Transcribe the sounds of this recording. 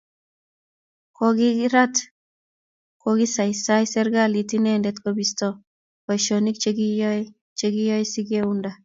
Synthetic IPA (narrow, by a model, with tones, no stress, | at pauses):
kɔɡɪ˦ɾa˦t | koɡi˦sa˨ɪsa˦jsɛ˦ɾɡa˦li˨ti˦nɛ˦ndɛ˦t̪kɔ˦bistɔ˦ | kɔ˨jʃo˨ni˦k̚t͡ʃe˦ɡijɔ | t͡ʃe˦ɡɪ˦jɔ˦jsi˦ɡe˦unda˨